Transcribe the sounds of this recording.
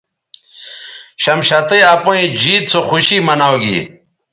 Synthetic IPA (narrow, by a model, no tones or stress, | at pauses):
ɕɐmɕat̪eapoĩd͡ʑiːt̪̚t͡soxuɕimɐnawɡḭ